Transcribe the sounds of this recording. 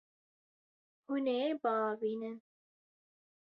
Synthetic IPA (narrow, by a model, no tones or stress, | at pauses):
hunebaːbiːnɨn